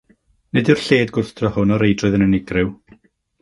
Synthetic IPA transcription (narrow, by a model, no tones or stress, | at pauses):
nɪdɪrɬeːdɡʊrθd̥rɔhʊnɔɾejdrʊɨðənənɪɡrɨw